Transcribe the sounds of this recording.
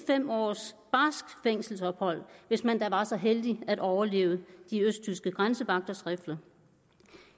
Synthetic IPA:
fem̰ɒ̰ːsb̥ɑ̈sɡ̥feŋ̰sl̩sɒ̽b̥hɒ̽l̰ʋe̝smænd̥ɑ̈ʋɑ̈sɒ̽ɦeld̥iæɾ̥ʔɒʊɐle̝̰ːʊəd̥iøsd̥̚t͡sʰysɡ̥əɡ̥ʁansəʋɑ̈ɡ̥̚d̥ɐsʁɛfd̥ɐ

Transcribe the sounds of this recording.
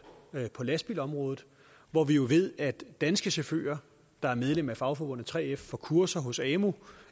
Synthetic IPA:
pʰɒ̽læsb̥ḭlɒ̽mʁɔ̽ːð̩ˠ | ʋɒʋijo̝ʋe̝ð̞̰ˠæ̥d̥ænsɡ̥əsefø̰ːɐ | d̥ɑ̈æɐmeð̞ˠlem̰æfɑ̈ʊfɒ̽b̥ɔ̽n̰ð̩ˠt͡sʰʁɛ̰ːefːɒ̽kʰuɐsɐɦɔ̽sɛːmu

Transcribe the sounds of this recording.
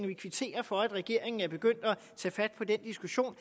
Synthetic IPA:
ŋʋikʰʋit͡sʰe̝̰ːɐfɒ̽æd̥ʁɛɡ̥e̝ɐ̰e̝ŋn̩æɐb̥e̝ɡ̥øn̰d̥ɒ | t͡sʰɛ̰ːfæd̥̚pʰɒ̽d̥end̥isɡ̥uɕo̝̰ːn

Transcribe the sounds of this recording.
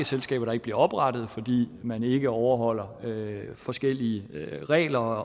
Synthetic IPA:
əselsɡ̥ɛ̰ːb̥ɐɾ̥ɑeɡə̥b̥liɐɒ̽b̥ʁɑ̈d̥ð̞̩ˠfɒ̽d̥ḭːmæne̝ɡ̥əɒʊɐɦɒ̽l̰ɐøfɒ̽sɡ̥el̰iəʁɛ̰ːlɐ

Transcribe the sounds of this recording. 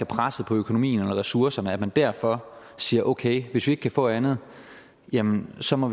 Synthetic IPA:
æpʰʁasəð̩ˠpʰɒ̽økʰono̝mḭːn̩elɐʁɛsuɐsɐnəæ̥mænd̥æɐ̰fɒ̽ | siːɐʔoʊkʰeɪʋe̝sʋie̝ɡ̥kʰæfɔ̰̽ːænð̞̩ˠ | jæmənsɒ̽mɒ̽ʋ

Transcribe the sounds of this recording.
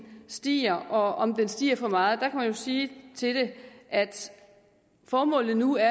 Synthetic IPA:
sd̥ḭːɐʔɒ̽ɒ̽md̥ensd̥ḭːɐfɒ̽mɑ̈ːð̩ˠd̥ɑ̈kʰæmænjo̝siːt͡sʰe̝d̥e̝ʔæd̥ | fɒːmɔ̰̽ːlð̩ˠnuæɐ

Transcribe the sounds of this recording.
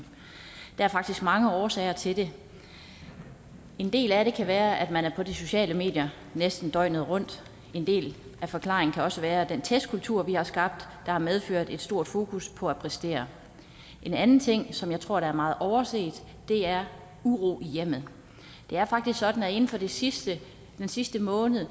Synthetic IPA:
d̥ɑ̈æɐfɑ̈ɡ̥̚d̥isɡ̥mɑ̈ŋəɒːsɛɪɐt͡sʰe̝ld̥e̝ | e̝nd̥e̝̰ːlæɾe̝kʰæʋæːɐʔæd̥mænæɐpʰɒ̽diso̝ɕɛ̰ːləme̝̰ːd̥jɐ | nesd̥n̩d̥ɒ̽ɪ̰nəð̞̩ˠʁɔ̽n̰d̥ | e̝nd̥e̝̰ːlæfɒ̽kʰlɑ̈ːʁeŋ̩kʰæɒ̽səʋæːɐd̥ent͡sʰesd̥̚kʰult͡sʰuɐ̰ʋihɑ̈sɡ̥ɑ̈b̥̚d̥ːɑ̈hɑ̈með̞ˠføɐ̰d̥e̝d̥sd̥o̝ɐ̰d̥fo̝ːkʰuspʰɒ̽æpʰʁɛsd̥e̝̰ːɐ | ʔe̝nænn̩t͡sʰe̝ŋ̰sɒ̽mjɑ̈ɪt͡sʰʁo̝ɐɾ̥ɑ̈æɐmɑ̈ːð̩ˠʔɒʊɐse̝̰ːd̥ | d̥e̝æɐ | uʁo̝̰ːijem̰ð̩ˠ | d̥e̝æɐfɑ̈ɡ̥d̥isɡ̥sɒ̽d̥n̩æe̝n̩fɒ̽deisd̥ə | d̥ensisd̥əmɔ̽ːnð̩ˠ

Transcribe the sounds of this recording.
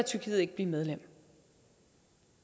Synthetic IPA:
æt͡sʰyɐkʰiːð̩ˠe̝ɡ̥̚b̥liːmeð̞ˠlem̰

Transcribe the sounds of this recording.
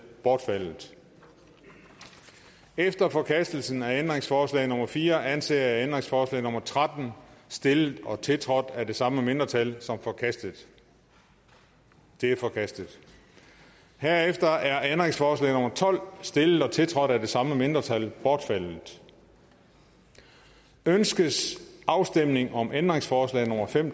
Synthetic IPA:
b̥ɒːd̥fæl̰ð̩ˠ | efd̥ɐfɒ̽kʰæsd̥l̩sn̩æend̥ʁeŋsfɒːslɛ̰ːɪno̽mɐfiːɐʔænsḛːɐæend̥ʁeŋsfɒːslɛ̰ɪnomɐt͡sʰʁad̥n̩sd̥e̝lə̥ɒ̽t͡sʰe̝lt͡sʰʁɒ̽d̥æd̥e̝sɑ̈məme̝nd̥ʁɐt͡sʰælsɒ̽mfɒ̽kʰæsd̥ð̩ˠ | d̥e̝æɐfɒ̽kʰæsd̥əð̩ˠ | hæɐ̰efd̥ɐʔæɐend̥ʁeŋsfɒːslɛ̰ɪno̽mɐt͡sʰɒ̽l̰sd̥e̝ləð̩̥ˠɒ̽t͡sʰe̝lt͡sʰʁɒ̽d̥æd̥e̝sɑ̈məme̝nd̥ʁɐt͡sʰælb̥ɒːd̥fæl̰ð̩ˠ | ønsɡ̥əsʔɑ̈ʊsd̥em̰ne̝ŋʔɒ̽mʔend̥ʁeŋsfɒːslɛ̰ɪno̽mɐfem̰

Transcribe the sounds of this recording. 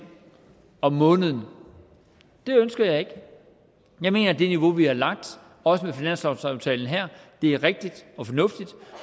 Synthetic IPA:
ɒ̽ːɔ̽ːnəð̞ˠn̩ | d̥e̝ønsɡ̥ɐjɑ̈ɪe̝ɡ̥ | jɑ̈ɪme̝̰ːnɐd̥e̝niʋo̝ʋihɑ̈lɑ̈ɡ̥̚d̥ | ɒ̽səmefinæn̰sɑ̈ʊɑ̈ʊt͡sʰɛ̰ːln̩ɦæɐ̰d̥e̝æɐʁɛɡ̥̚d̥id̥ɒ̽fɒ̽nɔ̽fd̥id̥

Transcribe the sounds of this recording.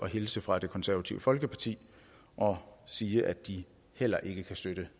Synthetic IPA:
ɒ̽ɦe̝lsəfʁɑ̈d̥e̝kʰɒ̽nsæɐʋæt͡sʰiʊəfɒ̽lɡ̥əpʰɑ̈t͡sʰḭː | ʔɒ̽siːəʔæd̥i | hel̰ɐʔe̝ɡ̥əkʰæsd̥øɾ̥ə

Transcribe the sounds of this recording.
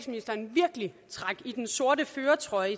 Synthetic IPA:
sminisd̥ɐnʋiɐɡ̥əlit͡sʰʁɑ̈ɡ̥id̥enso̝ɐ̰ɾəføːɐt͡sʰʁɒ̽ɪ

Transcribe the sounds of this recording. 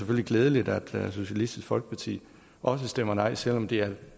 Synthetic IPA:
seføl̰liɡ̥leːð̞ˠəlid̥æd̥so̝ɕælisd̥isɡ̥fɒ̽l̰ɡ̥ə̥pʰɑ̈t͡sʰḭː | ʔɒ̽səsd̥em̰ɐnɑ̈ɪ̰sel̰ɒ̽md̥e̝æɐ

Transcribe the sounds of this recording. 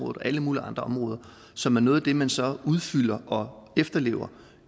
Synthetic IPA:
ɔ̽ːðˠɒʔæləmuːliɑ̈nd̥ʁɐɒ̽mʁɔ̽ːðˠɐ | sɒ̽mæɐnɔːð̞̩ˠæd̥e̝mænsɒ̽uð̞ˠfyl̰ɐʔɒ̽efd̥ɐle̝̰ːʊɐ

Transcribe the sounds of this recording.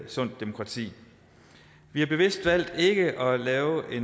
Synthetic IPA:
sɔ̽n̰d̥ːemo̝kʰʁɑ̈t͡sʰḭː | ʋihɑ̈b̥e̝ʋe̝sd̥ʋæl̰d̥e̝ɡ̥əʔɒ̽lɛːʊʔe̝n

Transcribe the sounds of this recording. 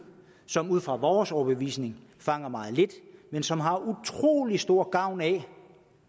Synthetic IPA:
sɒ̽muð̰ˠfʁɑ̈ʋɒːsɒʊb̥eʋḭːsne̝ŋfɑ̈ŋ̰ɐmɑ̈ːð̩ˠle̝d̥mensɒ̽mɦɑ̈ut͡sʰʁo̝̰ːlisd̥o̝ɐ̰ɡ̥ɑ̈ʊ̰nɛ

